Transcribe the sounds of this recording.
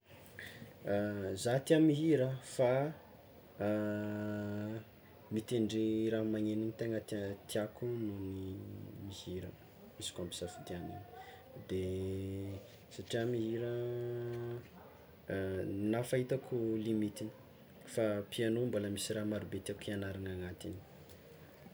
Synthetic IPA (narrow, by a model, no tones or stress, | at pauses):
zat̪iamiɦiɾəfa | mit̪eɳɖ͡ʐiɾamaŋeninit̪eŋət̪t̪iakununimihiɾə | misi̥kampi̥safid̪ianḭni̥ | d̪e | saʈ͡ʂiamiɦiɾə | nafaɦit̪akʰulimit̪ini̥ | fapianomboləmisiɾamaɾubet̪iakʰianaɾanaŋat̪ini̥